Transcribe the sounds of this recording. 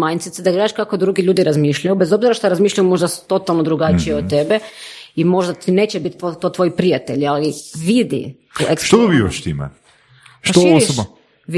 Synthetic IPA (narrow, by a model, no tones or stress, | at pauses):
majnt̪sit̪sed̪aɡɾaaʃkakod̪ɾuɡiʎuːd̪iɾazmiʃʎajubezo̞bziɾaʃt̪aɾazmiːʃlʎajumo̞ʒd̪asu̥t̪o̞t̪alˠnod̪ɾuɡat͡ʃijeot̪ebe | imo̞ʒd̪at̪ine̞ːt͡ɕebit̪t̪oːt̪ʋo̞jipɾijat̪e̞̰ʎaliʋid̪ḭ | ekst̪od̪obiːʋaʃt̪imɛ̰ | ʃat̪ooisob | ʋ